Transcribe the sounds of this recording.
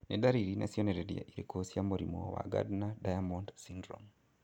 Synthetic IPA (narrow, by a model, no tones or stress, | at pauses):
nedaɾiɾina̰sjɔneɾɛɾja̰ʔiɾekosjamoɾimɔ̰wa̰ɡa̰dnadajamɔndsindɾɔm